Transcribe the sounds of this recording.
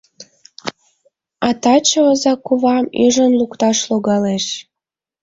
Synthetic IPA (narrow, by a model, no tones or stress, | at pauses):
ɑt̪ɑt͡ɕəəzɑkuβɑmyʒənlukt̪ɑʃloɣɑleʃ